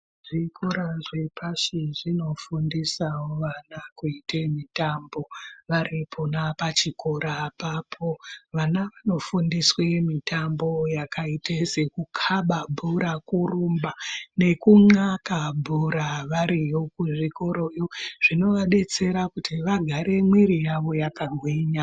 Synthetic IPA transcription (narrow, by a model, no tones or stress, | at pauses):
ʐikʰoɾaʐwipʰaʃiʐino̞fundisawoʋanakuitemitambo̞ʋaɾipʰonapat͡ʃikoɾapapʰo̞ʋanaʋano̞fundiswemitʰambo̞jakʰaitʰesekukʰaɓabʱuɾakurumbane̞kuŋakabʱuɾaʋaɾijokuʐiko̞ɾo̞joʐ̥ino̞ʋaɗe̞t͡se̞ɾakutʰiʋaɡʱaɾe̞mwiɾijaʋo̞jakaɡʱwiɲa